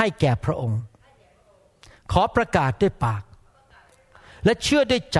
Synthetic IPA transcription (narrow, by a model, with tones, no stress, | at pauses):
a˥˩jkɛː˨˩pʰɾa˦˥ʔo˧ŋ | kʰɔː˩˦pɾa˧kaː˨˩t̪̚duː˥˩əjpaː˨˩k̚ | lɛ˦˥t͡ɕʰɯ˥˩ədu˥˩jt͡ɕa